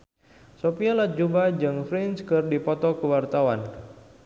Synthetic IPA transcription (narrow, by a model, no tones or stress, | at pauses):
sopialad͡ʒubad͡ʒɨŋfɾinskɨrdipɔt̪ɔkəwart̪awan